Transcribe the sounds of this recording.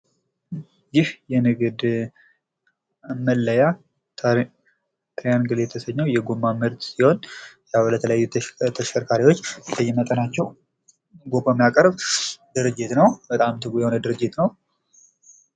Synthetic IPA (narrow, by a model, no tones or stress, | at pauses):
jɪhjɛnɨɡɨd̪ | amːəlːəja | t̪ʰɾjanɡɨljɛt̪ʰəsəɲːawjɛɡomːamɨɾt̪siho̞njalət̪ʰələjajːut̪ʰəʃəɾkʰaɾiwo̞t͡ʃːbəjɪmət̪ʼənat͡ʃːɛw | ɡo̞pamijakʼəɾbd̪ɨɾɨd͡ʒːɪt̪nəwbət̪ʼamt̪ʰɨɡujɛhonəd̪ɨɾɨd͡ʒːɪt̪nəw